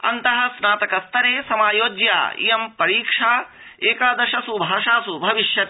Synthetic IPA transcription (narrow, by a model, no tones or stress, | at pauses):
ɐ̰nt̪ɐɦɐ̆snaːt̪ɐkɐst̪ɐɾeːsɐmaːjoːd͡ʒja̰ːḭjɐmpɐɾiːkʂaː | eːkaːd̪ɐʃɐsubʱaːʂaːsubʱɐʋiʃjɐt̪ː